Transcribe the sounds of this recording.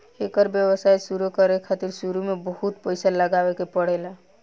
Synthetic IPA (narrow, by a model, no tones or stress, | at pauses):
ekəɾbjebəsajsuɾukəɾekʰat̪iɾsuɾumebəɦut̪pəjsaləɡabekepəɽɛla